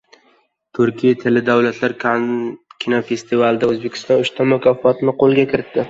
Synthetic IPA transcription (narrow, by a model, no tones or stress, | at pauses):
t̪ʰʊɾkʲʰijat̪ʰɪlɪd̪awlat̪ʰlaɾ | kʲʰinafe̞st̪ʰɪvald̪aɵzbe̞kʲʰɪ̥st̪ɒnʊʃt̪ʰamʊkʰʲafɒt̪ɪnɪqʰolˠɡʲakʲʰɪɾɪt̪ːɪ